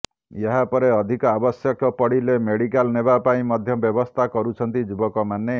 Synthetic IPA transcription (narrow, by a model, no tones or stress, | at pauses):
jeɦapɔɾeɔd̪ʱikɔabɔsjɔkɔpɔɽilemeɽikalnebapaĩmɔd̪ʱjɔbjɔbɔst̪ʰakɔɾut͡ʃʰɔnt̪id͡ʒubɔkɔmane